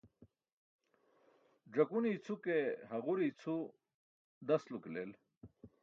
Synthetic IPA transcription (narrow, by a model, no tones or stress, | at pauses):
d͡ʑɐkunit͡sʰukeɦɐʁuɾit͡sʰu | d̪ɐsluklel